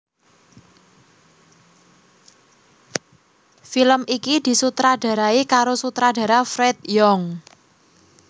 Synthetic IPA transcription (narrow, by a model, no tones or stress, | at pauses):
filəmʔikid̪̥i̤sut̪ɾaɖ̥ä̤ɾaikaɾosut̪ɾaɖ̥ä̤ɾafɾɛt̪jɔŋ